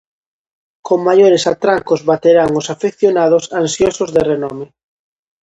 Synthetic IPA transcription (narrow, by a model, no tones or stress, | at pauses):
koŋmːajoɾesat̪ɾaŋkʊzβat̪eɾaŋʊsafekθjonað̞ʊsansjosʊzðerenɔmɪ